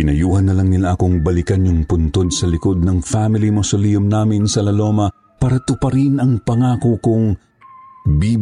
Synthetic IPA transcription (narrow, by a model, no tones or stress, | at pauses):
ɪnɐjuːhɐnːɐlɐŋnɪlaʔɐko̞ŋbɐlɪkɐnjʊŋpʊnt̪o̞d̪̚sɐlɪko̞d̪̚nɐŋfamɪlimosolijʊmnaːmɪnsɐlɐlo̞ːmɐ | paːɾɐt̪ʊpɐɾinʔɐŋpɐŋaːkokʊŋ | biː